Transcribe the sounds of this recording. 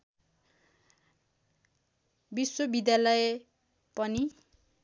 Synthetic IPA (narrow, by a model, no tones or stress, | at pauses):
biswobid̪jalʌje | pʌni